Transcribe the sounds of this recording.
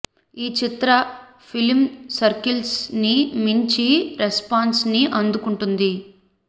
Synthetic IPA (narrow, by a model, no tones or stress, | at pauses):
iːt͡ʃit̪ɾɐ | pʰilmsɐɾkilsnimiɲt͡ʃiɾespaːnsniʔɐnd̪ukuɳʈund̪i